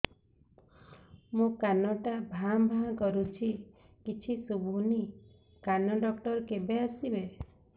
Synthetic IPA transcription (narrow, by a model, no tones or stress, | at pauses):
mũkanɔʈabʱãbʱãkɔɾut͡ʃʰi | kit͡ʃʰisubʱuni | kanɔɖɔkʈɔɾkebeasibe